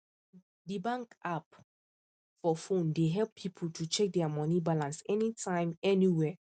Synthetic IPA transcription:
dibãŋkap | fɔfõndeɦɛlpʰːipʰltʰut͡ʃɛk̚dɛamɔnibalãnsɛnitʰãɪ̃mɛniwɛ

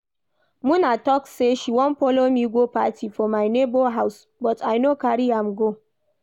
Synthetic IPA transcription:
mʊnaːtɔkseʃiwɔmɸɔlomiːɡʷoɸatiːfɔmajnebɔɦaws | bɔtajnokaɾiamɡo

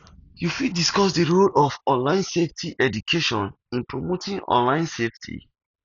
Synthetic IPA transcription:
jufidiskɔs̬dəɹolɔfɔ̃nlãɪ̃nseftʰiʔɛdukʰeʃɔ̃n | ĩnpɹomotĩŋɔ̰̃nlãɪ̃nseftʰḭ

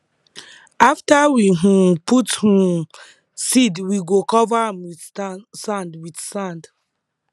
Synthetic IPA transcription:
aftawiɦũputhũ | sidwiɡokɔvaãmwiθsãndwidsãnd

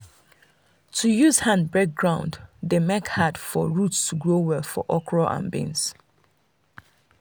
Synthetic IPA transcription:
tʰujuz̥hãnbɛk̚ɡɹãʊ̃nddemɛkhad̥fɔ̰ɹutstʰuɡɹowɛlˠfɔ̰ʔɔkʰɹɔʔã̰nbḭ̃ns

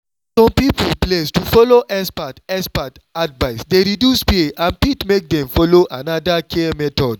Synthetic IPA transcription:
sɔ̃mpipṵlplestufɔloʔɛspatɛspat | advaɪsdeɾidjuspieãnpitmek̚dɛ̃mfɔloʔanadakʰeɛmɛtɔd̚

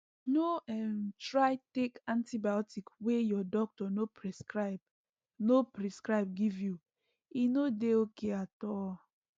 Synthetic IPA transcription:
noɛmtɹaɪtekãntibajɔtikwejɔdɔk̚tɔnopɹiskab | nopɹiskɹaɪb̚ɡivju | inodeokeatɔl

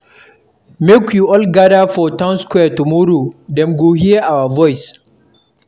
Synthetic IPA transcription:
mekjuʔɔlɡadafɔtaʊnskʷwɛːɐtumuɾudɛmɡuɦiʔawɐvɔjs

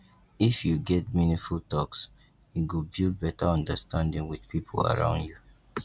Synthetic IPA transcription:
ifjuɡɛt̚minĩfulˠtɔks | jiɡubilbɛtaɔ̃ndəstʰãndɪ̃ŋwið̥pʰipʰola̰ɹã̰ʊ̃ndju

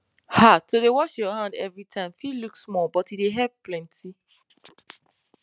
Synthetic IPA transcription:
hatoɾewɔʃjɔɦãndɛvɹitʰãɪ̃mfiluksmɔbɔtideɦɛb̚plɛ̃nti

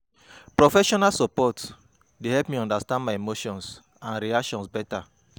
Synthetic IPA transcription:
pɹɔfɛʃɔnalsɔpɔt | dehɛlpmiɔ̃ndastãndmaɪemoʃɔ̃ns | ãnɾiakʃɔ̃nsbɛta

